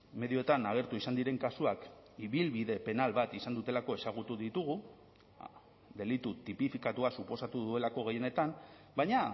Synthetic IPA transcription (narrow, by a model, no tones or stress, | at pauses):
me̞ðio̞t̪anaɣ̞e̞ɾt̪uisand̪iɾe̞ŋkasuakiβilβiðe̞pe̞nalβat̪isand̪ut̪e̞lako̞e̞saɣ̞ut̪uðit̪uɣ̞u | d̪e̞lit̪ut̪ipifikat̪uasupo̞sat̪uðue̞lako̞ɣe̞jene̞t̪am | bajɲa